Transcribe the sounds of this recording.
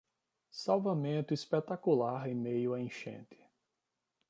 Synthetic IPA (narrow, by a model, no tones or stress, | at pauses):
sawvamẽnt̪ʊispet̪akulaɾẽmejʊaẽʃḛ̃t̪ɪ̥